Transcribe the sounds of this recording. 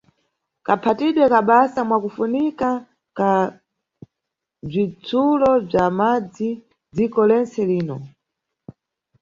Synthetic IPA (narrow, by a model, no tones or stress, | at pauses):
kapʰatiɗwɛkaɓasamwakufunika | ka | b͡ʐit͡sulɔb͡ʐamad͡zi | d͡zikɔlɛnt͡sɛliːnɔ